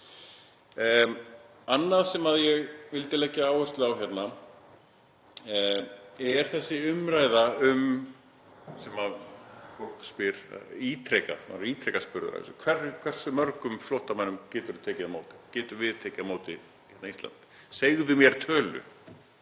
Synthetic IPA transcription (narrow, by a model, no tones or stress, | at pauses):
anːaðsɛmaðjɛɣvɪlt̪ɪlɛcɪaːwɛst̪lʏawçjɛt̪na | ɛɛɾ̥θɛsːɪʏmɾaːjðaʏm | sɛmafol̥kspɪɾ̰it̪ʰɾɛka̰ðma̰ɾiːt̪ʰɾɛːkaspʏɾʏa̰skʰvɛrkʰɛr̥sʏmœɾkʏmflɔwht̪amanːʏmcɛːt̪ʏɾt̪ʰeːcɪðamoːwt̪ɪ̥cɛːt̪ʏvɪðt̪ʰeːcɪmoːwt̪ɪ | hɛt̪naist̪la̰nt̪ | seɣðʏmjɛɾ̥t̪ʰœːlʏ̰